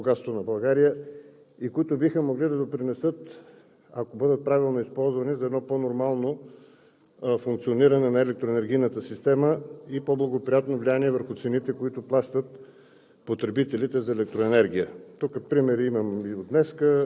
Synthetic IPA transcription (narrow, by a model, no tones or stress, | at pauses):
boɡat̪st̪onɐbɐlˠɡaɾijə | ikoʊit̪ʊbixəmoɡlid̪ɐd̪opɾinɛsɤt̪ | akobɤd̪ət̪̚pɾavilˠnoispɔlˠzvɐnɛzɐɛd̪nɔponoɾmalˠno | fuŋk̚t̪sioniɾənɛnɐɛlɛk̚t̪ɾoɛnɛɾɡ̟ʲijnət̪əsist̪ɛməipoblˠɐɡopɾijat̪novlijaniɛvəɾxʊt̪sɛnit̪ɛkoit̪ʊplˠaʃt̪ət̪ | pot̪ɾɛbit̪ɛlit̪ɛzɐɛlɛk̚t̪ɾoɛnɛɾɡ̟ʲijət̪ukːəpɾimɛɾiiməmiod̪nɛskə